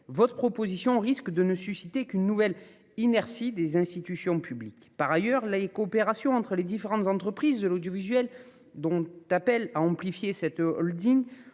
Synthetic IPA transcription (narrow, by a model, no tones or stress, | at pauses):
vɔt̪χəpχɔpozisjɔ̃ʁiskd̪ənəsysit̪ekynːuvɛl | inɛʁsid̪ezɛ̃st̪it̪ysjɔ̃pʰyblikpaʁajœʁlekɔːpeʁasjɔ̃ɑ̃t̪χəled̪ifeʁɑ̃t̪zɑ̃t̪χəpχizd̪əlod̪jɔvizɥɛl | d̪ɔ̃t̪apɛlaɑ̃plifjesɛt̪ɔ̰ld̪iŋ